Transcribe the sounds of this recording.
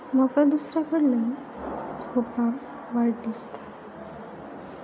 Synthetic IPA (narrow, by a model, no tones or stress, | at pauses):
məkad̪usɾakəɽlen | hopam | ʋaɽd̪ist̪ḁ